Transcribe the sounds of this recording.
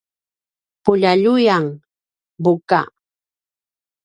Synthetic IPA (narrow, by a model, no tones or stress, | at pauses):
pʊʎaʎʊjaŋ | bʊka̰